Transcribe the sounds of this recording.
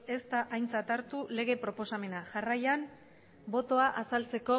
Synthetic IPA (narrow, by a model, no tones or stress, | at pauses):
e̞st̪aʔajnt͡sat̪aɾt̪ule̞ɣ̞e̞pɾo̞po̞same̞naʝarajan | bo̞t̪o̞aʔasalt͡se̞ko̞